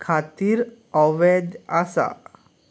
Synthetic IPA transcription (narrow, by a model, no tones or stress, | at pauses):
kʰat̪iɾ | ɔʋɛd͡ʒasa̰